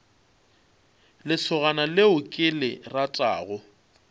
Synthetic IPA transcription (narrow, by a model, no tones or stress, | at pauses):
lɪsʰʊɣanalɪʊkʼɪlɪratʼa̰ːɣʊ